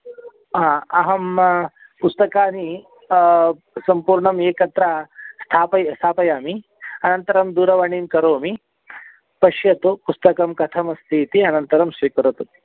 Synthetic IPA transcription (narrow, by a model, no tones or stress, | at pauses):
ɦãːɐɦɐm | pust̪ɐkaːni | sɐmpuːɾɳɐmeːkɐt̪ɾaːst̪ʰaːpɐjst̪ʰaːpɐjaːmi | ɐnɐnt̪ɐɾɐmd̪uːɾɐʋɐɳiːnkɐɾoːmi | pɐʃjɐt̪upust̪ɐkɐmkɐt̪ʰɐmɐst̪ʰiːt̪iɐnɐnt̪ɐɾɐmʃikuɾɐt̪u